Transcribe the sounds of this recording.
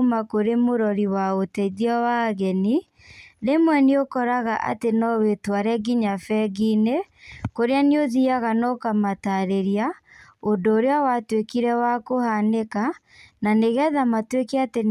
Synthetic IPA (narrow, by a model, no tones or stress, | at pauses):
makoɾemoɾɔɾiwaotɛðiɔwaɣɛni | ðemwɛneokɔɾaɣaʔa̰tenɔwetwaɾɛɣiɲafɛɣine | koɾeaneoðiaɣanɔkamataɾeɾiaondoːɾeawatwekiɾɛwakohaneka | naneɣɛðamatwekɛate